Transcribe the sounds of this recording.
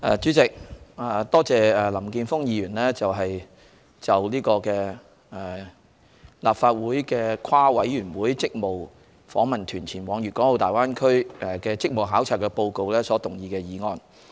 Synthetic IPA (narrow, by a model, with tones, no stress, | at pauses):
ʔɛː˨t͡ʃyː˨˥t͡sɪ˨k̚a˨˩t̪ɔː˥t͡sɛː˨˧ɛ˨lɐ˨˩mkiː˧nfʊ˥ŋjiː˧jyː˨˩nlɛː˥t͡sɐ˨wɦɐ˨j | t͡sɐ˨wliː˥kɔː˧kɛː˧˨ | laː˨p̚faː˧t̚wuː˨˥jkɛː˧kʰwaː˥wɐ˨˥jːyː˨˩nwuː˨˥jt͡sɪ˥k̚mo˨w | fɔ̰ː˨˥ŋmɐ˨nt̪ʰyː˨˩nt͡sʰiː˨˩nwɔː˨˧ŋjyː˨kɔː˨˥ŋlo˨˧wt̪aː˨˩jwaː˥nkʰɵ˥ɥɛ˨˩kɛː˧t͡sɪ˥k̚mo˨wɦaː˨˥wt͡sʰaː˨˩w̚kɛ˧po˧wko˨˧wlɛː˥sɔː˨˥t̪ʊ˨˩ŋjiː˧kɛː˧jiː˨˧ŋɔː˧n